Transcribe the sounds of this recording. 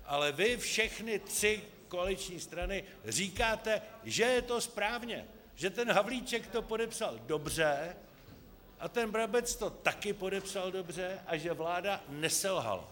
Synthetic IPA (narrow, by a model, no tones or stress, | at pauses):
ʔalɛvɪfʃɛxnɪt̪r̥ɪ | ko̞alɪt͡ʃɲiːst̪ɾanɪ | riːkaːt̪ɛʒɛjɛt̪o̞spɾaːvɲɛ̰ | ʒ̥ɛt̪ɛnɦavliːt͡ʃɛkt̪o̞po̞dɛpsaldo̞br̝ɛ | ʔat̪ɛnbɾabɛt͡st̪o̞t̪akɪpo̞dɛpsaldo̞br̝ɛʔaʒɛvlaːdanɛsɛlɦa̰la̰